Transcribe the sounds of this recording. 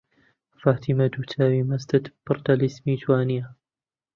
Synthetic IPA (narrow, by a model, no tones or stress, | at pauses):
faht̪imad̪ut̪ʰaːwimast̪at̪b̥ʊɾt̪alɪsmiːt̪waːnɪja